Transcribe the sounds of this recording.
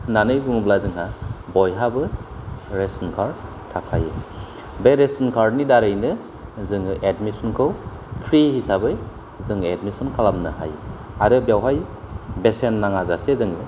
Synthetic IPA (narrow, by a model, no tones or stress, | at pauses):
nanɯjbuŋblazɯŋɦabɔjɦabɯ | ɾesɔnkʰaɾ | tʰakʰa̰jɯ̰ | beɾesɔnkʰaɾdnidaɾɯjnɯ | zɯŋʔedmisɔnkʰɯw | pʰɾihisabɯj | zɯŋedmisɔnkʰalamnɯ̰ha̰j | aɾɯbjawɦajbesenːaŋazasezɯŋɯ